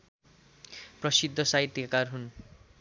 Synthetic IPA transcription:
prʌsid̪ʱːʌsait̪ːikakarɦun

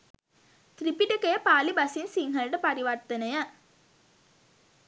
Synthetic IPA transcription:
t̪ɾipiʈɐkejɐpaːlibɐsinsiŋɡɐlɖɐpɐɾiʋɐɾt̪ɐnɐjɐ

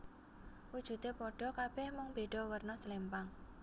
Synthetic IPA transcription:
wud̥ʒ̥ṳt̪epɔɖ̥ɔ̤kab̥ɛhmʊŋb̥eɖ̥ɔwərnɔsəlempaŋ

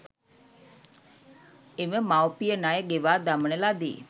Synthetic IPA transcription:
eməmawpijənajəɡeʋaːd̪aməɳelad̪ḭː

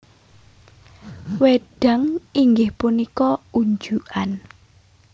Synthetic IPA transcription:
weɖ̥a̤ŋiŋɡɪhpunikɔuɲd͡ʒuʔan

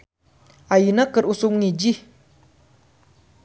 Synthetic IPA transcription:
ʔajinakəɾʔusuŋnid͡ʑi

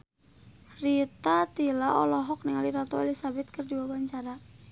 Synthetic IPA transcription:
rit̪at̪ilaɔ̰lɔɦɔk̚niŋaliɾat̪ɔelisabɛt̪̚kərdiwawaɲt͡ʃaɾa

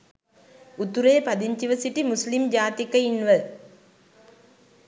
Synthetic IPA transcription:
ut̪uɾeːpɐd̪iɲt͡ʃiʋɐsiʈimuslimd͡ʒaːt̪ikɐinʋə

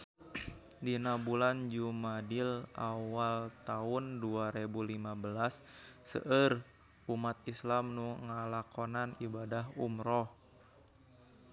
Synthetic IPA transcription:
dinabuland͡ʒumadɪla̰walt̪aʊnduaɾebulimabəlasːə̰ʔər | umat̪̚islamnuŋəlakonanibadaɦumɾɔh

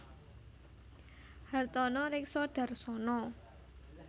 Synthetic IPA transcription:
hart̪ɔnɔɾɪksɔɖ̥a̤rsɔnɔ

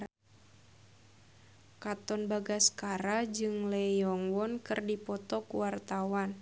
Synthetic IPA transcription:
kat̪ɔnbaɡaskaɾad͡ʒɨŋlɛjɔŋwɔnkɨrdipɔt̪ɔkuwart̪awan

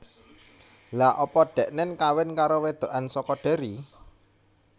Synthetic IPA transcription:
laʔɔpɔɖ̪̥ɛ̤ʔnɪnkawɪnkaɾowed̪̥o̤ʔansɔkɔɖ̥e̤ɾi

